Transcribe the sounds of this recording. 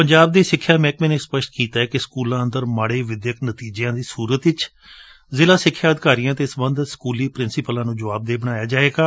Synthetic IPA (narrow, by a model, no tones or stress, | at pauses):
pəɲd͡ʒaːb̚d̪iːsɪkʰːjaːmɛːkmeːneːspəʃt̪kiːt̪aːɛkɪskuːlãːə̃nd̪əɾmaːɽeːʋɪd̪jəknət̪iːd͡ʒjãːd̪iːsuːɾət̪ʋɪt͡ʃ | zɪlaːsɪkʰjaːəd̪ɪkaːɾijãːt̪eɪsbə̃nd̪skuːliːpɾɪnsɪpəlãːnũːd͡ʒəʋaːb̚d̪eːbəɽ̃aːjaːd͡ʒaːʋeːɡaː